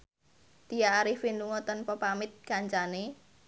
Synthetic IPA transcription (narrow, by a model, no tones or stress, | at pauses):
t̪ijaːɾɪhfinduŋɔt̪ɔnpəpamɪt̪̚kaɲt͡ʃane